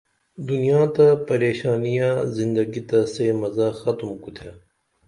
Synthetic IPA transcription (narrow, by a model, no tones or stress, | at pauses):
d̪ʊnijãːt̪ɐpɐɾeːʃaːnijãːzɪnd̪əɡit̪ɐsemɐzaːxɐt̪mkut̪ʰa